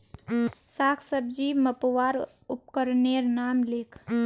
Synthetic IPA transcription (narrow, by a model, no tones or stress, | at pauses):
saːkʰsəb̚d͡ʒiːməpʋaːɾ | ʊp̚kəɾneɾnaːmlɪkʰ